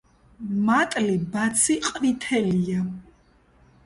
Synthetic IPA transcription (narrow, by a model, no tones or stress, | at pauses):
mat̪ʼlibat̪sʰiqʼvit̪ʰɛlia